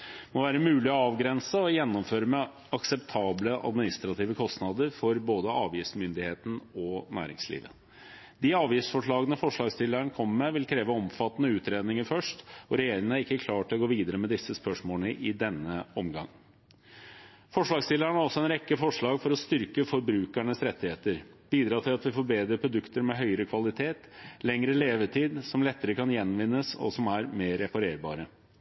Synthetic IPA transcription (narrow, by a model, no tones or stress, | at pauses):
mɔʋæːɾəmʉːlɪɔɑːʋɡɾɛnsəɔjɛnːɔmføːɾəmɛ | ɑksɛpt̪ʰɑːbləʔɑ̰d̪mɪnɪst̪ɾɑt̪ʰiːʋəkʰɔst̪nɑːd̪əɾfɔɾboːd̪əʔɑ̰ːʋjiːsmʏnd̪ɪheːt̪n̩ɔnæ̰ːɾɪ̰ŋslḭːʋə̰ | d̪ɪɑːʋjɪːsfɔʂɭɑːɡənəfɔʂɭɑːɡst̪ɪlːæɳkʰɔmːəmɛʋɪlkʰɾeːʋəɔmfɑt̪ːnəʉːt̪ɾeːd̪nɪŋəɾfœʂʈɔɾɛjeːɾɪŋənəɾɪkːəkʰlɑːʈʰɪlɔɡoːʋiːd̪əɾəmɛd̪ɪsːəspœʂmoːlnəʔɪd̪ɛnːəɔmɡɑŋː | fɔʂɭɑːɡst̪ɪlːæɳæɾɔsːɔɛnɾɛkːəfɔʂɭɑːɡfɔɾɔst̪ʏɾkəfɔɾbɾʉːkæɳəsɾɛt̪ːɪheːt̪əɾb̥iːd̪ɾɑːt̪ʰɪlɑt̪ʋɪfoːɾbeːd̪ɾəpʰɾʊd̪ʉkt̪əɾmɛɦœʏəɾəkʰʋɑlɪt̪ʰeːt̪lɛŋɾəleːʋəʈʰiːd̪sɔmlɛt̪ːəɾəkʰɑnjɛnʋɪnːəsɔ̰sɔmæɾmeːɾɛpɑɾeːɾbɑ̰ːɾə